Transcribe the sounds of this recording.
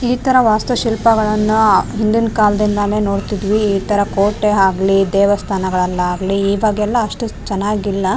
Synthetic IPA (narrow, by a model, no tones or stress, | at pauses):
iːt̪ɐɾɐʋaːst̪ɐʃilpɐɡɐɭɐnːuɦind̪inkaːld̪ind̪ɐne̞ːno̞ːɽt̪id̪ʋiiːt̪ɐɾɐkoːʈeaːɡlid̪ɛːʋɐst̪ʰaːnɐɡɐɭɐlːɐaːɡliiːbaːɡɛlːɐːʂʈut͡ʃɐnːaːɡilːɐ